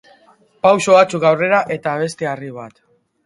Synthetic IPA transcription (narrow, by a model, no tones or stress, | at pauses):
pawsoβat͡sukɡawre̞ɾaʔe̞t̪aβ̞e̞st̪eariβ̞at̪